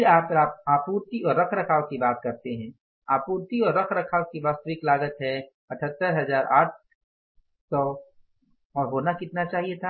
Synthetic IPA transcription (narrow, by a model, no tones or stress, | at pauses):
aːpɾaːp̚aːpuːɾt̪iɔːɾːɐkʰɾɐkʰaːʋkibaːt̪̚kɐɾt̪eɦɛ̃ː | aːpuːɾt̪iɔːɾːɐkʰɾɐkʰaːʋkiʋaːst̪əʋɪklaːɡət̪ɦɛ | ɐʈʰət̪ːəɾɦɐzaːɾʔaːʈ̚ʰ | sɔː | ɔːɾɦoːnakɪt̪nat͡ʃaːɦiet̪ʰaː